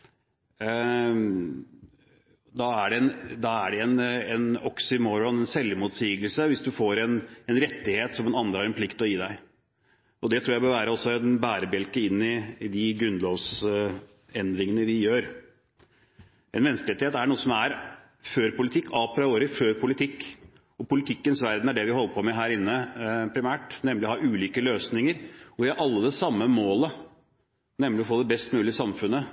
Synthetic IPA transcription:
d̪ɑæɖɛɛnd̪ɑæɖɛɛnɛnɔksɪmɔɾɔnɛnsɛlmut̪siːɡəlsəʋɪsd̪ʉfoːɾɛnɛnɾɛt̪ːɪheːt̪sɔmɛnɑnd̪ɾhɑɾɛnpʰlɪkt̪ɔjiːd̪æɪ | ʔɔd̪ɛt̪ʰɾuːjæɪbøːʋæːɾəɔsːɔɛnbæːɾəbɛlkəɪnːɪd̪ɪɡɾʉnːloːʋs | ɛnd̪ɾɪŋənəʋɪjøːɾ | ʔɛnmɛnskəleːt̪ɪheːt̪æɳuːəsɔmæɾ | føːɾpʊlɪt̪ʰɪkːɑːpʰɾɑoːɾɪføːɾpʰʊlɪt̪ʰɪkː | ɔpʊlɪt̪ʰɪkːənsʋæɾd̪næɖɛʋɪhɔlːəpɔmɛɦæːɾɪnːəpʰɾɪmæːʈnɛmːlɪɔhɑʔʉːliːkəløːsnɪŋəɾɔʋɪɑɾʔɑlːəd̪ɛsɑmːəmoːlə | nɛmlɪɔfoːd̪ɛbɛst̪mʉːlɪsɑmfʉnːə

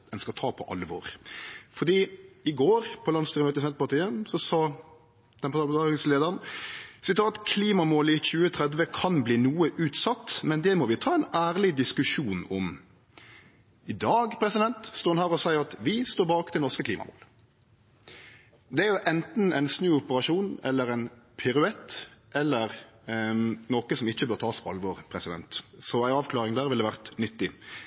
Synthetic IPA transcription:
ɛnskɑt̪ʰɑːpʰɔ̰ʔɑ̰lːəʋo̰ːʁfɔd̪iːɪɡoːɾpʰɔlɑnsiɾmøːt̪ɪsɛnt̪pɑt̪ʰiːəsɔsɑː | d̪̥ɛnpɑt̪ɑɑɪŋsleːd̪əʁnsɪt̪ʰɑːt̪kʰliːmɑmoːlɪçʉːət̪ʰʁɛd̪ʋəkʰɑnbliːnuːəʔʉːt̪sɑt̪ːmɛnd̪ɛmɔʋɪt̪ʰɑːɛɪnæːʁlɪd̪ɪskʉʂuːnɔm | ɪd̪ɑːɡpʰɾɛsɪd̪ɛnt̪st̪oːnhæːʁɔsæɪəʁɑt̪ʋɪst̪oːbɑːkt̪ʰɪlɔɾskəkʰliːmɑ̰mo̰ːl | d̪ɛæɾʁjʊʔɛnt̪n̩ɛɪnsnʉːɔpəʁɑʂuːnɛ̰lːəɾæɛɪnpʰɪɾʉɛt̪ːʔɛlːəʁ | noːkəsɔmɪçːəbøːʁt̪ʰɑːspʰɔɑ̰lʋɔːʁpʰɾɛsɪd̪ɛ̰nt̪sɔæɪɑːʋklɑːʁɪŋd̪æːʁʋɪld̪ɛʋæʁt̪nʏt̪ːɪ

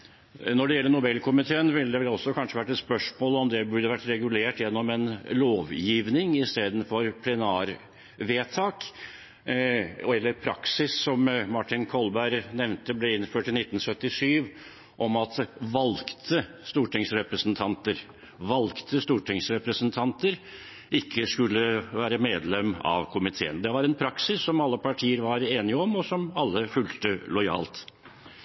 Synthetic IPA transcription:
nɔɖɛjɛlːənʊbɛlkʰʊmɪt̪ʰeːənʋɪld̪ɛlɔsːɔkʰɑnʂəʋæʈːɛt̪spœʂmoːlɔmd̪ɛbʉɾɖ̪əʋæʈːɾɛɡʉleːʈjɛnːɔmɛnloːʋjiːʋnɪŋɪst̪eːd̪ən̩fɔɾpʰlɛnæːɾ | ʋeːt̪ʰɑːk | ɔɛlːəɾpʰɾɑ̰ksɪsːɔmmɑʈɪnkʰɔlbæɪɾnɛʋnt̪əblɛɪnføːʈɪnɪt̪ːn̩sœt̪ːɪʂyːʋ | ʔɔmɑt̪ʋɑlkt̪ʰə | st̪uːʈɪŋsɾɛpɾəsnt̪ʰɑnt̪əɾ | ʋɑlkt̪ʰəst̪uːʈʰɪŋsɾɛpɾəsnt̪ʰɑnt̪əɾ | ɪkːəskʉlːəʋæːɾəmeːd̪lɛmɑ̰ʋkʰʊmɪt̪ʰḛːə̰nd̪ɛʋɑɾɛnpʰɾɑksɪsːɔmɑlːəpʰɑʈʰiːəɾʋɑɾeːnɪəɔmɔsɔmɑlːəfʉlt̪əlɔɪɑ̰ːlt̪

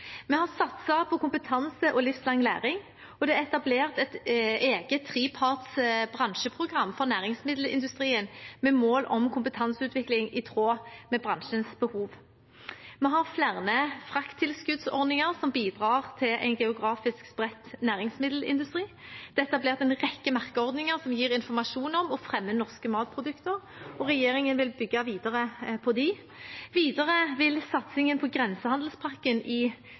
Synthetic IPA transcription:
mɛhɑʁsɑt̪səpʰɔkʊmpət̪ʰɑnsəʔɔlɪfslɑŋːlæ̰ːʁɪŋ | ɔd̪ɛɛt̪ɑbleːʁt̪ɛt̪eːɡət̪ʰːʁiːpʰɑːt̪sbʁɑnʃəpʰʁʊɡʁɑmːfɔʁnæːʁɪŋsmɪd̪l̩ɪ̰nd̪ʉst̪ʁiːənmɛmoːlʔɔmkʰʊmpət̪ʰɑnsʉːt̪ʰʋɪklɪŋɪt̪ʰʁoːmɛbʁɑnʃənsbəhuːʋ | mɛɦɑʁflæʁnəfʁɑkt̪ʰːɪlskʉd̪sɔ̰ʁd̪nɪŋəʁsɔmbiːd̪ʁɑːʁt̪ʰɪlʔæ̰ɪnɡɛʊɡʁɑːfɪskspʁɛt̪ːnæːʁɪŋsmɪd̪l̩ɪ̰nd̪ʉst̪ʁiːd̪̥ɛt̪ːɑbleːʁt̪ɛnʁɛkːəmɑʁkəɔʁd̪nɪŋəʁsɔmjiːʁɪnfɔʁmɑʂuːnɔmɔfʁɛmːənɔʁskəmɑːt̪̚pʰʁʊd̪ʉkt̪əʁ | ɔʁɛjeːɾɪŋənʋɪlbʏɡːɑʋiːd̪ɑʁəpʰɔd̪ɪ | ʋiːd̪əʁəʋɪlsɑt̪sɪŋənpʰɔɡʁɛnsəhɑnd̪l̩spʰɑʁkənʔɪ

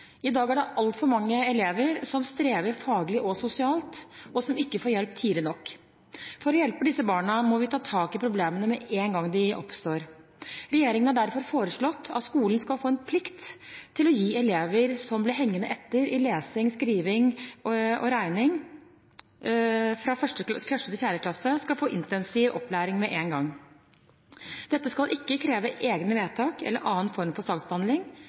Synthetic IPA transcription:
ɪd̪ɑːɡæɖɛʔɑlt̪fɔɾmɑŋːəɛleːʋəɾsɔmst̪ɾeːʋəɾfɑːɡlɪʔɔsʊsɪɑːlt̪ɔsɔmɪkːəfoːɾjɛlp̚t̪ʰiːlɪnɔkː | fɔɾɔjɛlpəd̪ɪsəbɑːɳəmɔʋɪt̪ʰɑːt̪ʰɑːkɪpʰɾʊbleːmənəmɛʔeːnɡɑŋːd̪ɪʔɔ̰pst̪oːɾɾɛjeːɾɪŋənæɖ̪æɾfɔɾfoːɾəʂɭɔt̪ːɑ̰t̪skuːlnskɑlfoːɛnpʰlɪkt̪ʰːɪlɔjiːɛleːʋəɾsɔmblɪɾɦɛŋːənəʔɛt̪ːəɾɪleːsɪŋskɾiːʋɪŋ | ʔɔ̰ɾæɪnɪŋ | fɾɑfœʂʈəfœʂʈət̪ɪfjæːɾəklɑsəskɑlfoːʔɪnt̪ɛnsɪːʋʔɔ̰pːlæːɾɪŋmɛʔeːnɡɑŋː | d̪̥ɛt̪ːəskɑlʔɪkːəkʰɾeːʋəʔeːɡnəʋeːt̪ʰɑːkɛ̰lːə̰ɾʔɑːənfɔɾmfɔɾsɑːɡsbəhɑnd̪lɪŋ

